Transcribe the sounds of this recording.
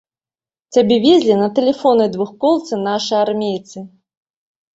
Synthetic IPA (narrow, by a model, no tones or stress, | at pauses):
t͡sʲabʲɛvʲezʲlʲinɐt̪ɛlʲɛfɔnɨjd̪vuxkɔlˠt̪sɨnaʂɨjarmʲejt̪sɨ